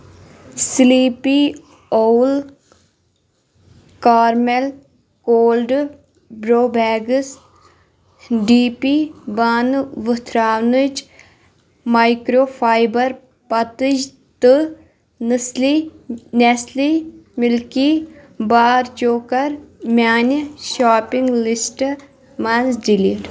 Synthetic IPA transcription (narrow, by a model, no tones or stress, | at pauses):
sliːpi | oːl | kaːɾmel | koːlɖ | bɾoːbɛːɡəs | ɖiːpibaːnʋət̪ʰɾaːʋnɨt͡ʃ | maːjkɾoːfʰaːjbɐɾ | pɐt̪ɨd͡ʒ | t̪ɨ | nəslineslimɪlkibaːɾt͡ʃoːkɐɾmʲaːnʃaːpiŋɡlisʈ | mɐnzɖiliʈ